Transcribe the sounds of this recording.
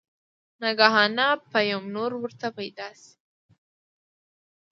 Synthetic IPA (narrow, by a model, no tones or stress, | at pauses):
naɡaɦɑnapajamnoɾwəɾt̪apajd̪ɑsi̥